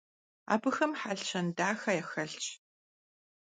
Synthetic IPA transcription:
a̰ːbɨxɐmħaɬɕʰɐndaːxɐjɛxɐɬt͡ʃʼ

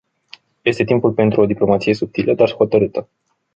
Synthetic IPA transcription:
je̞st̪e̞t̪impulpe̞nt̪ɾʔuo̞d̪iplo̞mat̪sije̞sup̚t̪iləd̪arho̞t̪əɾɨt̪ə

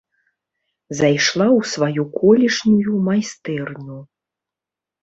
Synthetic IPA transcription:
zajʂlˠawsvajukʰɔlʲiʂnujumajst̪ɛrnʲu

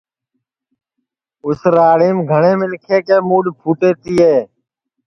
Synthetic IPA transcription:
ʊsɾaːɽiːmɡʱəɳeːmɪlkʰeːkeːmuːɗpʰuːʈeːt̪iːɦeː

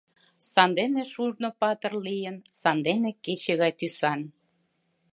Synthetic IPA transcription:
sɑnd̪eneʃurnopɑt̪ə̆rlijənsɑnd̪eneket͡ɕeɣɑjt̪ysɑn

